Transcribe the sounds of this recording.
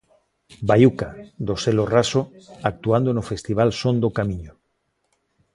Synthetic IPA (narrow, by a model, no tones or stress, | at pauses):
bajukad̪oselorasoak̚t̪uand̪onofest̪iβ̞alsõnd̪okamĩɲo